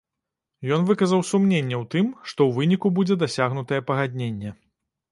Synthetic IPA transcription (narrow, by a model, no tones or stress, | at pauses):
jɔn̪vɨkɐzɐwsumnʲenʲːɛwt̪ɨmʂt̪ɔwvɨnʲikubud͡zʲɛd̪asʲaɣnut̪ɐjɛpɐɣad̪ʲnʲenʲːɛ